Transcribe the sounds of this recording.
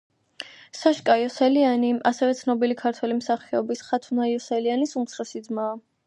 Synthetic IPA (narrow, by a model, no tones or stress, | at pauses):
saʃkʼajɔsɛlianiasɛvɛt̪sʰnɔbilikʰaɾt̪ʰwɛlimsaχɛɔ̰bisχat̪ʰunaiɔsɛlianisumt̪sʰχɛsid̪zmaː